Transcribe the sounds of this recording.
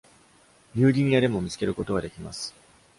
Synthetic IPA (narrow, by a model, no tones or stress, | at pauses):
mʲɨːɾʲiɲ̟ijaɾe̞mo̞mʲit͡sɨ̥ke̞ɾɯ̟ko̞t̪o̞βad̪e̞kʲima̰sɨ̥